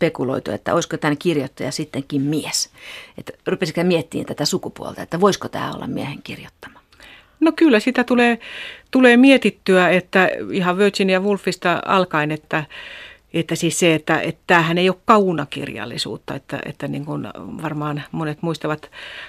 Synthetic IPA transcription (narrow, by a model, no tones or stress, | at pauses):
spekulo̰it̪ṵḛt̪ːæ̰oiskot̪ænkirjot̪ːɑjɑsit̪ːeŋkimmieset̪rupesikæmiet̪ːḭːnt̪æt̪æsukupuo̰lt̪ɑet̪ːæʋoiskot̪æ̰ːo̰lːɑ̰mmieheŋkirjot̪ːɑ̥mɑ̥ | nokylːæsit̪æt̪uleːt̪uleːmiet̪it̪ːyæet̪ːæihɑʋʋøˑt̪ʲsinjɑʋulfːist̪ɑɑ̰lkɑinet̪ːæ | et̪ːæsiːsseet̪ːæ̰ḛt̪t̪æːhæneijokkɑunɑkḭrjɑ̰lːḭsṵːt̪ːɑ̰ḛt̪ːæ̰ḛt̪ːæniŋkunʋɑrmɑːnmonet̪muist̪ɑʋɑt̪